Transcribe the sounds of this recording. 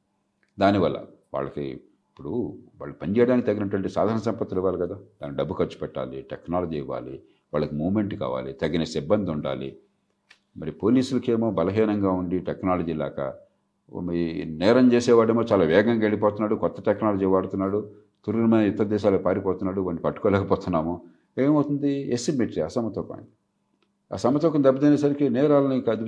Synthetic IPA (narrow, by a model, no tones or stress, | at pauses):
d̪aːniʋɐlːɐ̰ | ʋa̰ːɭːɐki | ipːuɽuʋa̰ːɭːɐpɐɲt͡ʃɛːjɽaːnikit̪ɐɡːinɐʈʋɐɳʈeːsaːd̪ʱaːɾɐnɐsɐmpɐt̪ːeluʋaːlikɐd̪aːd̪̥aːnːiɖɐbːukɐɾt͡ʃːu̥pɛʈːa̰ːliʈeknaːlɐd͡ʒiːʋa̰ːli | ʋaːɭːɐkimuːʋmeɳʈka̰ːʋa̰ːlit̪ɐɡːinesibːɐnd̪iuɳɖa̰ːlḭ | mɐɾipo̞ːliːsulɐke̞ːmo̞ːbɐlɐɦiːnɐŋɡaːuɳɖiʈeknaːlɐd͡ʒiːlaːkɐ̰ | inɛːɾɐɲt͡ʃeːsɛːʋaːɽeːmoːt͡ʃaːlaːʋɛːɡɐŋɡeɭːip̬ɔːt̪unːaːɽukɔt̪ːɐ̥ʈɛknaːlɐd͡ʒiːʋaːɽut̪unːaːɽu | t̪uɾunimɐːnɐit̪ːɐd̪ɛːʃaːlɐkpaːɾipɔːt̪unːaːɽuʋɐɳːipɐʈːukoːlɛːkɐpɔːt̪unːaːmo | eːmɐwt̪und̪iesimːeʈɾiɐsɐmɐt̪ɔːkɐ̰ | ɐ̰sɐmːɐt̪ɔːkɐmnd̪ɐbːɐt̪ɐjneːs̬ɐɾikinɛːɾaːlɐnikɐd̪